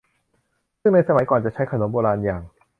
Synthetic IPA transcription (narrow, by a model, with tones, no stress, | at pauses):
sɯ˥˩ŋna˧jsa˧ma˩˦jkɔː˨˩nt͡ɕa˨˩t͡ɕʰa˦˥jkʰa˧no˨˩˦mboː˧ɾaː˧njaː˨˩ŋ